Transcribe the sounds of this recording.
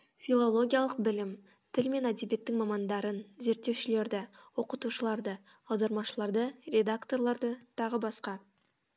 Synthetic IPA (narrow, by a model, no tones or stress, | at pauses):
fʲilˠo̞lˠo̞ɡʲijalˠəq̚bɪlɪm | t̪ʰɪlme̞næd̪ebe̞t̪ːɪŋmɑmɑnd̪ɑɾənze̞ɾt̪ːe̞wʃɪle̞ɾd̪ɪwo̞qət̪uʃəlˠɑɾd̪ə | ɑwd̪ɑɾmɑʃəlˠɑɾd̪ərʲe̞d̪akt̪o̞rlˠɑɾd̪ət̪ʰɑʁəbɑsqɑ